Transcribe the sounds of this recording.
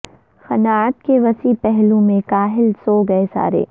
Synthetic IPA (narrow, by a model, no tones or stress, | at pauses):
xɐnaːət̪keʋɐsipɛɦlũmẽkaːɦɪlsoːɡɐesa̰ːɾḛː